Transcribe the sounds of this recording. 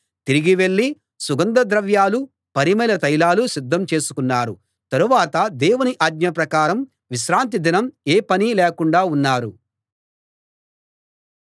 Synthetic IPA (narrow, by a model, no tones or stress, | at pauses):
t̪iɾiɡiʋe̞ɭːi | suɡɐnd̪ɐd̪ɾɐʋjaːlu | pɐɾimɐjlɐt̪ɐjlaːlusid̪ːɐmt͡ʃe̞ːsu̥kunːaːɾu | t̪ɐɾuʋaːt̪ɐd̪ɛːwuniʔaːɡ̚ɲɐpɾɐkaːɾɐm | ʋiʃɾaːnt̪̬id̪inɐmeːpɐnilɛːkuɳɖaːunːaːɾṵ